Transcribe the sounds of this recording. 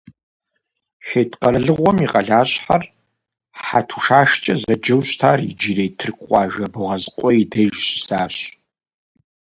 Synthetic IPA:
ʃeːtʼqɐrɨɮɨʁʷɔmiqʼɐɮaːɕʼħar | ħħa̰tʰu̥ʃaːʃt͡ʃʼɐzɐd͡ʒɐwɕtʰaːrid͡ʒirejtʰɨrkʷʼɑːʒɐbɨʁɐzqʷʼɔidɐjʒɕɪ̥saːɕ

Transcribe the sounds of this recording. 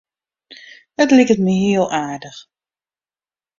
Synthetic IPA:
ətlikətməɦiəlˠʔaːdəx

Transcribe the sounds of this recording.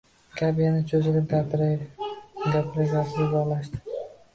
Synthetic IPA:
kʲʰabɪjanɪt͡ʃʰɵzɪlʲɪɡaɾ | ɡapʰɪɾaɡʲapɾɪzɒlaʃd̪ɪ̥

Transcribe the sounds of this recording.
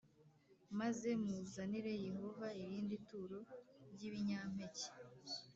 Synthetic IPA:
maze̞muzaniɾe̞je̞ho̞vaiɾiːndituːɾo̞ɾɟiβiɲaːm̥he̞ce̥

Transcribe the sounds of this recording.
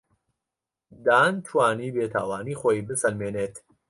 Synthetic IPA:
d̪aːntʰwaːniːbeːt̪ʰa̰ːwaːniːxoːjiːbɨsɐlmeːneːt̪

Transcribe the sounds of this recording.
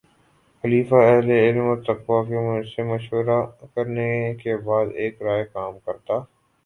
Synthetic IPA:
xɐliːfaɛɦleɪlmɔɾt̪ɐqʋakemʊsemɐʃwəɾakɐɾnekebaːd̪eːkɾaːjekaːmkɐɾt̪aː

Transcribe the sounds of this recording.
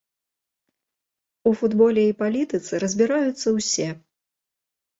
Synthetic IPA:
ufud̪bɔlʲɛipalʲit̪ɨt̪sɨɾɐzʲbʲiɾajut̪sːɐwsʲɛ

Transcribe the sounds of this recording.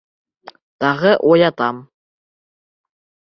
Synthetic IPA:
t̪ɑʁɤʔujɑt̪ɑm

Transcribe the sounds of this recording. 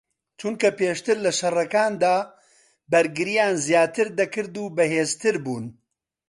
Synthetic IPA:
t͡ʃunkɐpeːʃt̪ɨɾlɐʃɐrɐkaːnd̪aː | bɐɾɡɨɾijaːnzjaːt̪ɨɾd̪ɐkɨɾd̪uːbɐheːzt̪ɨɾbuːn

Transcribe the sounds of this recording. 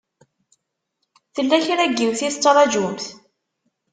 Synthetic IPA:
θəlːæçɾæɡːimθist͡sˤːɾˤɑd͡ʒumθ

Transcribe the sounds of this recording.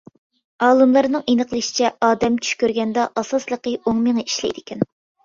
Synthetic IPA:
ɑːlˠɨmlˠɑɾnɨŋenəqəlˠɨʃi̥t͡ʃʰɛɑːd̪ɛmt͡ʃʰy̥ʃkʲøɾɡʲɛnd̪ɑʔɑsɑslˠəqəoŋməŋɨiʃlɛ̰jd̪ɪkʲʰɛn

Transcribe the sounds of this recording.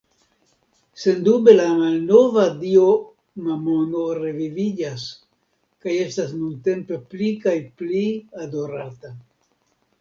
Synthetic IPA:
se̞ndube̞lamalno̞vadio̞ | mamono̞ɾe̞vivid͡ʒas | kaje̞stas̬nunte̞mpe̞plikajpliado̞ɾata

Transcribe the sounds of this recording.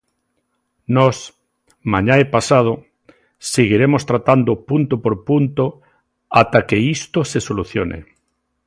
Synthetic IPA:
nɔs | mãɲaepasað̞o | seɣiɾemost̪ɾat̪and̪opunt̪opoɾpunt̪o | at̪akeist̪osesoluθjonʔḛ

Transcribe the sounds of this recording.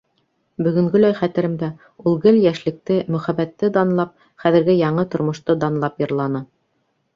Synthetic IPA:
bɵ̆ɡɵ̆ŋɡɘlæjχæt̪ɘ̆ɾɘmd̪æ | ulˠɡɘljæʃlɘ̆k̚t̪ɘmɵ̆χæβæt̪ːɘd̪ɑnlˠɑp̚ | χæðɘ̆ɾɡɘjɑɴɤt̪ŏɾmŏʃt̪ɤd̪ɑnlˠɑpjɤ̆ɾlˠɑnɤ

